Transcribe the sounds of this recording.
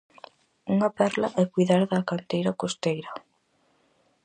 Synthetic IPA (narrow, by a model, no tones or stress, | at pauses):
uŋɐpɛɾlɐʔɛkujðaɾðɐkant̪ejɾakost̪ejɾɐ